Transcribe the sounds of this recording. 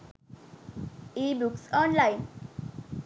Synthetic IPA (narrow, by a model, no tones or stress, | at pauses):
ibuksɔnlain